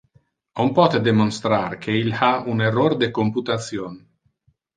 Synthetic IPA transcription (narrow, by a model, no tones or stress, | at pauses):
ompɔt̪ed̪emonst̪ɾarkʰeilhaunerord̪ekomput̪at̪sjon